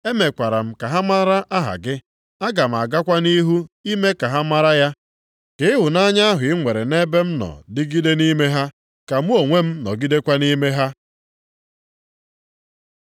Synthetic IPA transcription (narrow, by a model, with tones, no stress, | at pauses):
e˦me˨kʷa˨ɾa˨m̩˦ka˨ɦa˦ma˦ɾa˦ʔa˦ɦa̰˨ɡɪ˦ | a˦ɡa˨m̩˨a˨ɡa˦kʷa˦ni˦ɦu˦i˦me˦ka˨ɦa˦ma˦ɾa˦ja˦ | kɪ˨˦ɦʊ˨na˦ɲa˦a˦ɦʊ˨ɪ˦ŋʷe˨ɾe˨ne˦be˦m̩˦nɔ̰˨dɪ˦ɡi˦de˦ni˦me˦ɦa˦ | ka˨mu˦o˨ŋʷe˦m̩˦nɔ̰˨ɡi˦de˦kʷa˦ni˦me˦ɦa˦